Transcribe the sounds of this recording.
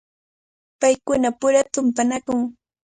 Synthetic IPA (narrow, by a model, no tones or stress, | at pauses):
pajkʊnapʊɾat̪ʊmpanakʊŋ